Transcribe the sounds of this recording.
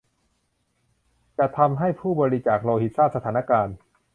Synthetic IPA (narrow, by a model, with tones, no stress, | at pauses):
t͡ɕa˨˩t̪ʰa˧mɦa˥˩jpʰuː˥˩bɔː˧ɾi˦˧t͡ɕaː˨˩k̚loː˧hi˨˩t̪̚saː˥˩t̪̚sa˧t̪ʰaː˩˦na˦˥˧kaː˧n